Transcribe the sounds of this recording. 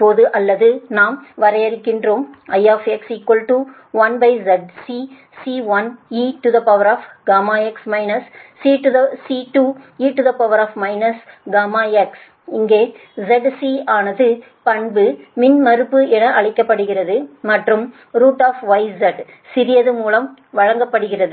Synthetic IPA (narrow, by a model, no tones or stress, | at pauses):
poːðɯʔɐlːɐðɯnaːmʋɐɾɐjɐɾɪkːɪndroːmɐjaːfɛksɪkːɔlʈu | ʋɐnbɐɪzɛɖsiː | siːʋɐniːʈuðɐpɐʋɐɾaːfɡaːmaːɛksmɐɪnɐsːiːʈuðɐsiʈuːiːʈʊðɐpɐʋɐɾaːfmɐɪnɐsɡaːmaːɛks | ɪŋɡeːzɛɖsiːaːnɐðɯ | pɐɳbɯmɪnmɐɾɯpːɯɛnɐʔɐɭɪkːɐpːɐɽɯɣɪrɐðɯmɐʈrɯm | ɾuːʈːaːfʋɐɪzɛɖ | sɪɾɪjɐðɯmuːlɐmʋɐɻɐŋɡɐpːɐɽɯɣɪrɐðɯ